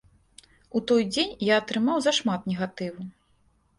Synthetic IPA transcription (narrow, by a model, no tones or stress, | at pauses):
ut̪ɔjd͡zʲenʲjaɐt̪ɾɨmawzɐʂmat̪nʲɛɣat̪ɨvu